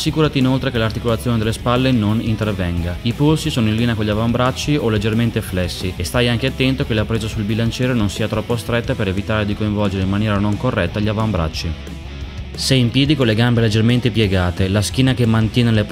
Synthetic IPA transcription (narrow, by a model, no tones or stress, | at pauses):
sːikuːɾat̪iːnolt̪ɾekelart̪ikolat̪sːjoːned̪elːespalːenonint̪ervɛŋɡaipolsisoːnoĩlːiːneakoʎiavambɾat͡ʃːiolːed͡ʒːerment̪eflɛsːiest̪ajaŋkeat̪ːɛnt̪okelapɾeːzasulbilant͡ʃɛːɾononsiːat̪ɾɔpːost̪ɾet̪ːapeɾevit̪aːɾed̪ikoiɱvɔld͡ʒeɾeimːanjɛːɾanoŋkorːʔɛt̪ːaʎiavambɾa̰t͡ʃːi | seimpjɛːd̪ikonleɡambeled͡ʒːerment̪epjeɡaːt̪elask̟iːnakemːant̪jɛːnele